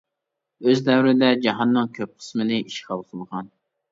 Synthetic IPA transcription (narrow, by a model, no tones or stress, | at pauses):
øzd̪ɛwɾɪd̪ɛd͡ʒɑɦɑnːɨŋkʲʰøp̚qʰə̥smɪlɪiʃqʰɑlˠqʰəlˠʁɑn